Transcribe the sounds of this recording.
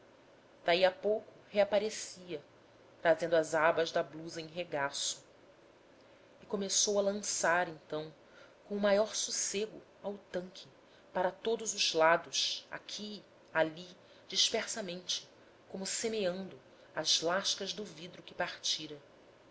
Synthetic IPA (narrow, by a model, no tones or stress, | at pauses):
d̪̥aiapowkʊheapaɾesiɐ | t̪ɾazẽnd̪ʊɐzabɐzd̪ɐbluzɐẽɦeɡasʊ̥ | ɪkomesowɐlɐ̃saɾẽnt̪ɐ̃w̃ | kõʊmajɔɾsuseɡʊ | awt̪ɐ̃ŋkʰɪ | paɾɐt̪od̪ʊzʊzlad̪ʊʃa̰kʲʰi | ali | d͡ʒiʃpeɾsɐmẽnt͡ʃɪ̥ | kõmʊsemeɐ̃nd̪ʊ | azlaʃkɐʒd̪ʊvid̪ɾʊkɪpaɾt͡ʃiɾɐ